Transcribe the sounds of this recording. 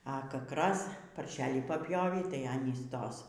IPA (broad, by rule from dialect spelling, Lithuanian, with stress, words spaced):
ɐ ˈkɐk ˈrɐs pɐrʲˈʃʲæːlʲiː pɐpʲˈjoːʋʲiː tɐɪ ˈɑːnʲiːs ˈtoːs